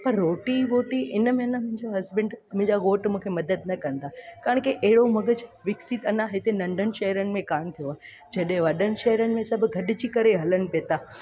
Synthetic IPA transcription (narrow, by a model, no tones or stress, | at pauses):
pɐɾːoːʈiɾoːʈiʔɪnəmeɐnamʊ̃ɦɪ̃ɲd͡ʑoɦɐzbə̃ɳɖmʊ̃ɦɪ̃ɲd͡ʑaɣoːʈmũːkʰemɐd̪əd̪̚nɐkɐ̃nd̪aːkaːə̃ɳ̃kiʔɛɦɪɽomɐɡəd͡ʑʋɪksit̪ɐnãɦɪt̪enɐ̃ɳɖʱənɪ̆ʃɐɦɾənɪ̆mẽkaːmt̪ʰijoaːɦ | d͡ʑɐɗɦẽʋɐɗənɪ̆ʃɐɦɾənɪ̆mẽsɐbʱʊ̆ɡʱɐɗɪ̆d͡ʑiːkɐɾeɦɐlənɪ̆peːt̪aː